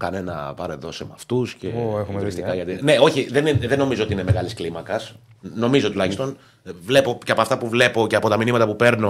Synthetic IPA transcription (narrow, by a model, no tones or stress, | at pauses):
kɐne̞nɐ̰pɐɾe̞ðo̞semɐft̪usce̞ɾist̪ikɐʝɐt̪ine̞o̞çiðeniðenːo̞mizoot̪iineme̞ɣɐlisklimɐkɐs | no̞mizo̞t̪ulɐçist̪o̞n | vle̞po̞ceɐpoɐft̪ɐpuvle̞po̞ce̞ɐpo̞t̪ɐminimɐt̪ɐpupe̞ɾno̞